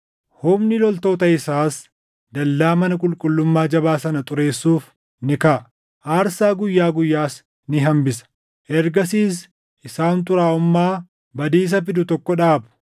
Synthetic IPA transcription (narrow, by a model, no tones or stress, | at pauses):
hʊbnɪlɔlt̪o̞ːt̪ɐɪsaːs | d̪ɐlːaːmɐnɐkʼʊlkʼʊlːʊmːaːd͡ʒɐβaːsɐnɐt̪ʼʊɾe̞ːsːuːf | nɪkaʔ | ʔaːɾsaːɡʊjːaːɡʊjːaːs | nɪɦɐmbɪsɐ̥ | ʔɛɾɡɐsiːs̬ | ʔɪsaːnt̪ʊɾaːʊmːaː | bɐd̪iːs̬ɐfɪd̪ʊt̪ɔkːɔᶑaːbʊ̥